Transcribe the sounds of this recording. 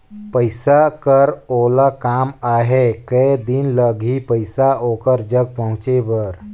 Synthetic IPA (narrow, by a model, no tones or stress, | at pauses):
pəɪsakəɾoːlakaːmaːɦekəed̪ɪnləɡʱipəɪsaoːkəɾd͡ʒəɡ̚pəɦʊ̃t͡ʃebəɾ